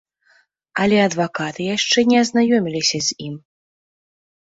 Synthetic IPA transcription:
ɐlʲɛɐd̪vakat̪ɨjaʂt͡ʂɛnʲɛɐznajɔmʲilʲisʲɐzʲim

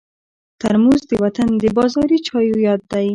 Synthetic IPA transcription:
t̪aɾmuzd̪əwat̪and̪əbɑzɑɾit͡ʃɑjujɑd̪ːaj

